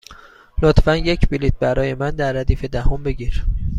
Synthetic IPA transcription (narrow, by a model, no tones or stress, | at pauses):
lot̪fænje̞cʰbilit̪̚bæɾɒːje̞mænd̪æɾːæd̪iːfe̞d̪æhombe̞ɟiɾ